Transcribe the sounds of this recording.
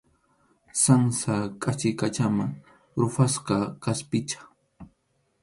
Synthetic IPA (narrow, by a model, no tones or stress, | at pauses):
saŋsakʼat͡ʃɪkat͡ʃamaŋ | ɾʊfasqɑkaspɪt͡ʃḁ